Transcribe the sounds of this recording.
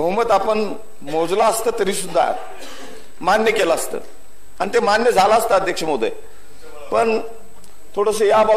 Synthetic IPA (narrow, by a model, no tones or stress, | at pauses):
bʱəɦmət̪apəɳ | mod͡zlaəst̪əːt̪əɾiːsud̪ʱːa̰ | manjəkelaəst̪ə̰ː | añit̪emanjəd͡zʱalaəst̪aəd̪ʱjakʂəmod̪ʱə̰ | pəɳ | t̪ʰoɽəs̬əjabɔ